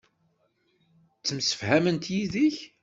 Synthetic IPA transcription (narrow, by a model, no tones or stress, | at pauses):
t͡sːəmsə̥fhæmənt̪jiðiç